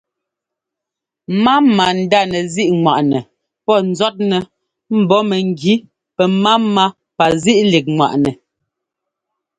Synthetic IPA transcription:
ma˦ma˨n̩˨da˦˨nɛ˨zi˦ʔŋwa˨ʔnɛ˨ | pɔ˦˨n̩˨zɔ˦t̚nɛ˨ | m̩˨bɔ˦mɛ˨ŋ˨ɡi˦ | pɛ˨ma˦mːa˦ | pa˨zi˦ʔli˨k̚ŋwa̰˨ʔnɛ˨

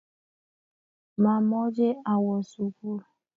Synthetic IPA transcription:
ma˨mɔ˦d͡ʒe˦a˨wɔ˨su˨ku˦ɾa˨

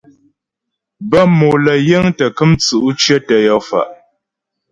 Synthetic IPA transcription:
bə˦mo˨lə˨jə˦ŋtə˨kɨ˦mt͡su˨ʔu˦t͡ʃe˦tə˨jɔ˦fa̰˨ʔ

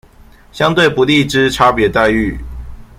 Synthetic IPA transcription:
ɕjɑ˥ŋt̪we˥˩ɪpu˧˥li˥˩ʈ͡ʂɻ̩˥ʈ͡ʂʰa˥pjɛ˧˥t̪a˥˧ɪy˥˩

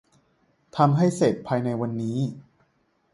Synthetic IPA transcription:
t̪ʰa˧mɦa˥˩jse˨˩t̪̚pʰaː˧jna˧jwa˧nːiː˦˥

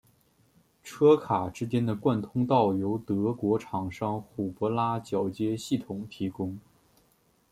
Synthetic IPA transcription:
ʈ͡ʂʰɤ˥kʰa˨˩ʈ͡ʂɻ̩˥t͡ɕjɛ˥nd̪ə˨kwa˥˩nt̪ʰʊ˥ŋt̪ɑ˥˩ʊjo˧˥ʊt̪ɤ˧˥kwɔ˧˥ʈ͡ʂʰɑ˨˩ŋʂɑ˥˩ŋxu˨˩pɔ˧˥la˥t͡ɕjɑ˨˩ʊt͡ɕjɛ˥ɕi˥˩t̪ʰʊ˨˩ŋt̪ʰi˧˥kʊ˥ŋ

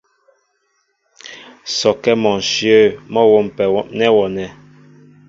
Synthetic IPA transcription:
sɔ˨kɛ˦mɔ̃˨n̩˨ʃjə˦˨mɔ˦wɔ˦˨m˨pɛ˨wɔ˦˨nɛ˦wɔ˨nɛ˨

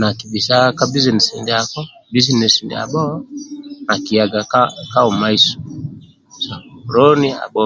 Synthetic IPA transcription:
na˨ki˨bi˨sa˦ka˦bi˦zinɛ˨sḭ˨ndɛakɔ˦ | bi˦zi˦nɛ˨si˨ndɛ̰a̰˨ɓɔ˦ | na˨ki˨ja˨ɡa˨ka˦u˨ma˦isu̥ | sa˨ɾɔni˦a̰˨bɔ

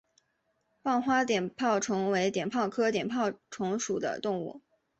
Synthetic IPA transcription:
pɑ˥˧ŋxwa˥t̪̬jɛ˨˩npʰɑ˥˩ʊʈ͡ʂʰʊ˧˥ŋwe˧˥ɪt̪jɛ˨˩npʰɑ˥˩ʊkʰɤ˥t̪jɛ˨˩npʰɑ˥˩ʊʈ͡ʂʰʊ˧˥ŋʂu˨˩d̪ə̰˦t̪ʊ˥˧ŋṵ˥˩

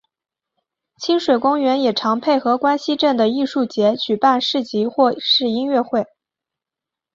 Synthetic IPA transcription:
t͡ɕʰi˥nʂwe˨˩ɪkʊ˥ŋɥɛ˧˥njɛ˨˩ʈ͡ʂʰɑ˧˥ŋpʰe˥˩ɪxɤ˧˥kwa˥nɕi˥ʈ͡ʂə˥˩nd̪ə˩i˥˧ʂu˥˩t͡ɕjɛ˧˥t͡ɕy˨˩pa˥˧nʂɻ̩˥˩t͡ɕi˧˥xwɔ˥˩˧ʂɻ̩˥˩i˥nɥɛ˥˧xwe˥˩ɪ

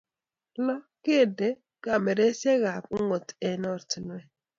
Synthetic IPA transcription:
lɔ˦ | ke˦˨de˨˦ | ɡa˨mɛ˨ɾe˦se˦ɣa˨pŋo˨tɛ˨nɔ˦˨ɾtnwɛ˨

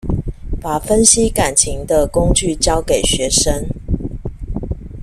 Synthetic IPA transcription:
pa˨˩fə˦nɕi˦ka˨˩nt͡ɕʰi˨˦ŋd̪ə˨ko˥˦ŋt͡ɕy˥˨t͡ɕjɑ˥˦ʊke˨˩ɪɕɥɛ˨˦ʂə˦ŋ

